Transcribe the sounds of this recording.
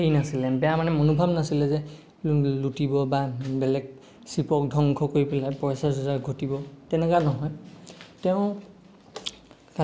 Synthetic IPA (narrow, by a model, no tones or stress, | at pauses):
ejnasilɛbɛjamanɛmonubʱabnasilɛzɛ | lutibɔbabɛlɛk̚ | sipɔk̚dʱɔŋkʰɔkoɹipɛlajpɔsasɔzaɹɡʱotibɔtɛnɛkanɔɦɔjtɛʊ̃ | ka